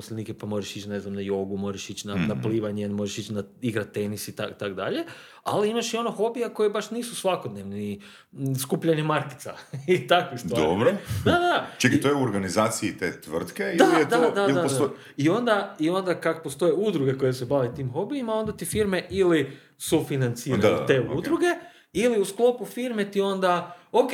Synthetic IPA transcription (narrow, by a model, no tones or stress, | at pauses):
osleniːkepamo̞ːɾeʃit͡ɕne̞znamnajo̞ɡumo̞ɾeʃit͡ɕnanapliːʋaɲenmo̞ʒeʃit͡ɕnaiɡɾat̪̚ːe̞nisit̪akt̪akd̪a̰ʎe̞ | a̰liimaʃio̞noxo̞bijako̞jebaʃniːsusʋakod̪neʋni | skuːpʎaɲemaɾkɪ̥t̪sa̰it̪akʋistd̪ʋaːɾobɾod̪ad̪ad̪at͡ʃekit̪ojeuoɾɡanizaːt̪siit̪ḛt̪ʋr̩t̪keid̪alid̪d̪adlaa | io̞nd̪aio̞nd̪akakopost̪o̞jeud̪ɾuɡe̞ko̞jesebaʋet̪iːmxo̞biimao̞nd̪at̪ifiɾme̞ʔili | sufinant̪siːɾa̰t̪eṵd̪ɾuɡe̞ | iliusklˠo̞pufiɾme̞t̪io̞nd̪aoke